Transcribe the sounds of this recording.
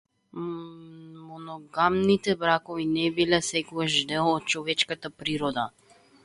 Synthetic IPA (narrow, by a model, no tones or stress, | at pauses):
mɔnɔɡamnit̪ɛbɾakɔvinɛbilɛsɛkɔɡaʒd̪ɛlˠːt̪̚t͡ʃɔvɛt͡ʃkat̪apɾiɾɔd̪a